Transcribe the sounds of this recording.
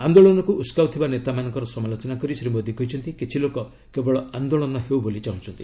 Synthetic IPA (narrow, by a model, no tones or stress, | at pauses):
and̪oɭɔnɔkuʔuskawt̪ʰibanet̪amanɔŋkɔɾɔsɔmalot͡ʃɔnakɔɾisɾimod̪ʱikɦɔjt͡ʃʰɔnt̪ikit͡ʃʰilokɔ | kebɔɭɔand̪oɭɔnɔɦewbolit͡ʃaɦũt͡ʃʰɔnt̪i